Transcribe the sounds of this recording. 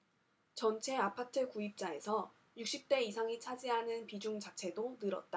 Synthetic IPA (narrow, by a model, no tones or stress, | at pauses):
t͡ɕʌnt͡ɕʰe̞apʰatʰɯkuip̚t͡ɕ͈ae̞sʰʌ | juk̚ɕ͈ip̚t͈e̞is̬ʰaŋit͡ɕʰad͡ʑiɦanɯnpid͡ʑuŋt͡ɕat͡ɕʰe̞donɯɾʌ̰t̚t͈a